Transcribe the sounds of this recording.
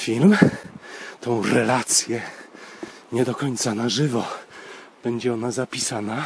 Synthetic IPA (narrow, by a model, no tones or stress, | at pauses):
fʲilm | t̪ɔ̃w̃ɾɛlat̪sʲjɛ | ɲɛd̪ɔkɔɲt̪sanaʐɘvɔ | b̥ɛɲd͡ʑɛɔnazapʲisana